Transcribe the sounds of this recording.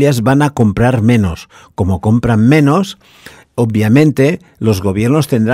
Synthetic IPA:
jazβanakompɾaɾmeno̰s | komokompɾammenos | objamẽnt̪e | lo̞zɣoβ̞jeɾnost̪e̞nd̪ɾ

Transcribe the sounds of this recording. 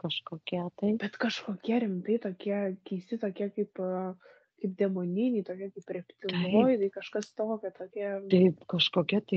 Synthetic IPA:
kɐʃkoːkʲɛt̪ɐɪb̥ʲɛt̪kɐʃkoːkʲiɛɾʲɪmt̪ɐɪt̪oːkʲiɛkʲɛɪsʲɪt̪oːkʲiɛkɐɪp | kɐɪp̚d̪ʲɛmoːnʲɪnʲeɪt̪oːkʲiɛkɐɪprʲɛpʲt̪ʲɪlˠoːjt̪ɐɪkɐʃkɐst̪oːkʲɛt̪oːkʲiɛt̪ɐɪpkɐʃkoːkʲɛt̪ɐɪ

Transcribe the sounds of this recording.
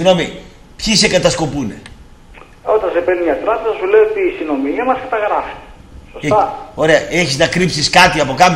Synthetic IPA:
siɣno̞mi | pçise̞kɐt̪ɐsko̞pune̞̰ | o̞t̪ɐnsepeniɲɐt̪ɾɐpezɐsuleiot̪iːsino̞miemɐskɐt̪ɐɣɾɐfi̥sost̪ɐo̞ɾeɐʔe̞çiznɐkɾipsiskɐt̪iɐpo̞kɐm

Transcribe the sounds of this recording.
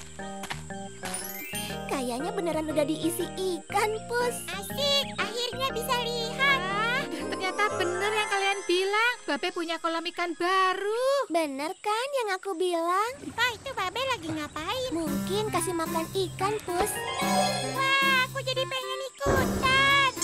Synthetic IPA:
kajaɲabənəɾanudahdiʔːsiʔikanpʊsasɪk̚ahirɲabisaliɦat̪̚laht̪ərɲat̪abənərjaŋkalianbilaŋb̥abapuɲakolamikanbaɾubənərkanjaŋakubilaŋwahit̪ubabalaɡiŋapaɪmuŋkɪnkasimaklanikanpʊs | wakud͡ʒadipəŋɛnikut̪an

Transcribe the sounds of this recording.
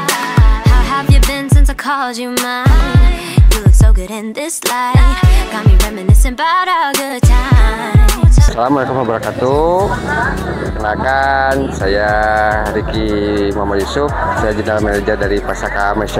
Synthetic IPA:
haʊɦəvjɨbɪ̃nsɪ̃nsəkʰɔləd͡ʒɨmã | jilʊksoʊɡʊɾɪ̃nðɪslaɪɡ̥ɑmiɹɛmɨnɪsɨ̃nbaɾɔɡʊd̚tʰaɪ | masalamɔlajkumwabəɾakat̪u | kənakansajahaɾikimamajusʊfsajad͡ʒənalmɛnəd͡ʒadaɾipasakamaʃ

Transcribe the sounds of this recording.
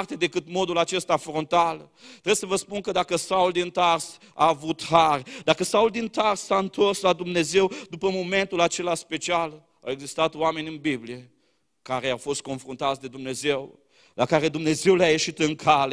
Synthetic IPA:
rt̪e̞d̪e̞kɨt̪mo̞d̪ulat͡ʃe̞st̪afɾont̪al | t̪ɾesəvəspunkəd̪akəsauld̪int̪ars | a̰ːvut̪harʲd̪akəsauld̪int̪arsːaɨnt̪o̞rslad̪umne̞ze̞wd̪upəmo̞me̞nt̪ulat͡ʃe̞laspe̞t͡ʃial | a̰we̞ɡzist̪at̪oame̞nʲɨnbiblije̞ | kaɾe̞awfo̞st̪̚ko̞nfɾunt̪at̪sʲd̪e̞d̪umne̞ze̞w | lakaɾe̞d̪umne̞ze̞wleaje̞ʃit̪ɨŋkʰale

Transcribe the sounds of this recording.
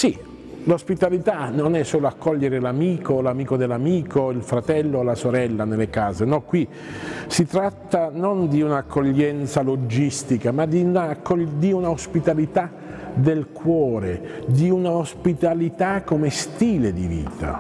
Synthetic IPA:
si | lospit̪alit̪anonɛsːoːloakːɔʎːeɾelamiːkolamiːkod̪elːamiːkoilfɾat̪ɛlːolasoɾɛlːanelːekaːzenɔkːwi | sit̪ɾat̪ːanond̪iunaːkʰːoʎːɛnt̪salod͡ʒist̪ikamad̪inakːod̪iunaospit̪alit̪a | d̪elkʰwɔːɾed̪iunaospit̪alit̪akːomest̪iːled̪ivḭːt̪a̰

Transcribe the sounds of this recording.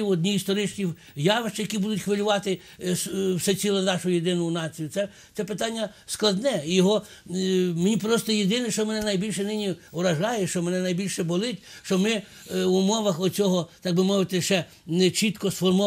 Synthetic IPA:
iwɔdʲnʲiist̪ɔɾɪt͡ʃʲnʲiw | jɑʋɪʃt͡ʃjɐkʲibud̪ʊtʲxʋelʲʊʋɑt̪ɪ | swsɛt͡sʲilˠɔnɑʃʊjed̪ɪnʊʊnɑt͡sʲijʊsɛ | t̪sɛpɪt̪ɑnʲːɐ | sklˠɐd̪nɛjɔɦɔ | menʲipɾɔst̪ɔjed̪ɪnɪʃt͡ʃɔmɛnɛnɐjbʲilʲʃɛnɪnʲiʋɾɐʒɑjɛʃt͡ʃɔmɛnɛnɐjbʲilʲʃɛbɔlˠɪtʲʃt͡ʃɔmɪ | ʊmɔʋɐxɔt͡sʲɔɦɔt̪ɑɡ̚bɪmɔʋɪt̪ɪʃt͡ʃɛ | t͡ʃit̪kɔsfɔrmɔ

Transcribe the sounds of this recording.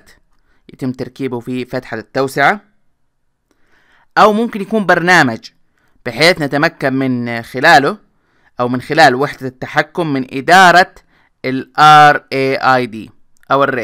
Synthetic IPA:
t̪ | jat̪ɪmːt̪ɑɾˤkiːbʊfifat̪ħat̪ːawsɪʕa | ʔawmʊmkɪnjakuːmbɑɾˤnaːmad͡ʒ | b̥ɪħeːθnat̪amakːammɪnxɪlaːlʊ | ʔawmɪnxɪlaːlwɪħd̪at̪ːaħakːʊmːɪnʔɪd̪ɑːɾˤɑ | alʔɑɾˤʔeːʔajd̪ḭː | ʔawɪrːeː

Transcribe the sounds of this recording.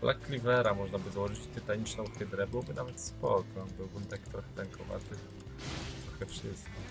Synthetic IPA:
blʔa̰kːlʲivɛɾamɔʐnabɘzawɔʐɘt͡ɕt̪ɘt̪aɲit͡ʂnɛ̃wkɘd̪ɾɛbɘwɔbɘnavɛt̪spɔkɔbɘwbunt̪ɛkt̪ɾɔxɛt̪ɛŋkʰɔva̰t̪ɘ | t̪ɾɔxɛfʂɘst̪kʲi

